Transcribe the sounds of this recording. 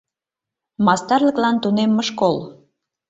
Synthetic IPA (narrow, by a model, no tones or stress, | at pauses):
mɑst̪ɑrlə̆klɑnt̪unemːəʃkol